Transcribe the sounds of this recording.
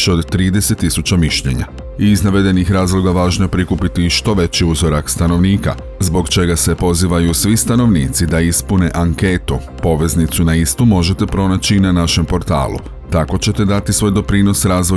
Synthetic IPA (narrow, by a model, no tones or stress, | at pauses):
ʃeo̞d̪ːɾiːd̪e̞se̞t̪ːisut͡ɕamiʃʎe̞̰ɲa̰ | iːznaʋe̞d̪e̞nixɾaːzlˠo̞ɡaʋaːʒnoepɾikupit̪iʃt̪o̞ʋe̞t͡ɕiuzo̞ɾakst̪ano̞ʋniːka̰ | zbo̞ɡt͡ʃe̞ɡase̞po̞ziːʋajusʋist̪ano̞ʋniːt̪sid̪aispune̞ʔaŋke̞t̪u | po̞ʋe̞znit̪sunaist̪umo̞ʒe̞t̪e̞pɾo̞nat͡ɕinanaʃe̞mpo̞ɾt̪a̰ːlṵ | t̪ako̞t͡ɕe̞t̪e̞d̪at̪isʋo̞ːjd̪o̞pɾiːno̞sɾaːzʋo